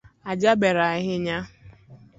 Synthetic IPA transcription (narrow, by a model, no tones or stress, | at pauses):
ad͡ʒabeɾaɦɪɲa